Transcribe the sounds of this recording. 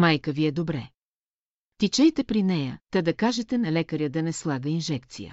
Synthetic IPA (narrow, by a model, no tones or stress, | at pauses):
majkəviɛd̪obɾɛ | t̪it͡ʃɛjt̪ɛpɾinɛjə̰t̪ɐd̪ɐkaʒɛt̪ɛnɐlɛkəɾʲjəd̪ɐnɛslˠaɡəinʒɛkt̪sḭjə̰